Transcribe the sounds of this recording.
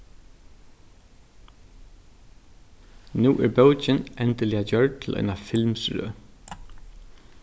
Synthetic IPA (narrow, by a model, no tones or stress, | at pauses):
nuːʔæɾbœwt͡ʃɪnɛnt̪ɪlɪad͡ʒœɹʈ̚t̪ʰɪlʔœ̰jnafɪlmsɹø̰ː